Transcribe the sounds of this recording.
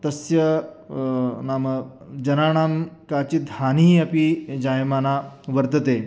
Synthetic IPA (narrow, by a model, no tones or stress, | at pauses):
t̪ɐsjɐ | naːmə | d͡ʒɐnaːɳ̃aːmkaːt͡ɕit̪haːniːɐpid͡ʑaːjmaːnaʋəɾt̪ət̪e